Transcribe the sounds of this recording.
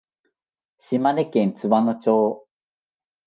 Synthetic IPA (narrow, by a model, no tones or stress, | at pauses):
ɕimanekẽnt͡sɨβanot͡ɕoː